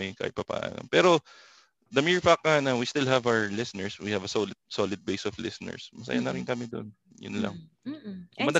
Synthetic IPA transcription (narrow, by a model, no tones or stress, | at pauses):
ɐka̰ʔɪpɐpa̰ːʔɐ̰nɐ̰ŋpɛːɾo | d̪ɐmiɹfak̚ːanɐwist̪ɪlɦɐvawəɛ˞lɪsɪnɛɹswihɐvɐsolɪd̪̚solɪd̪̚bejsɔflɪsɪnɛ̰ɹsmɐsɐ̰janɐɾɪnkɐmɪd̪o̰n | jʊ̰nlɐ̰ŋ | ʔʊmɐd̪ɐ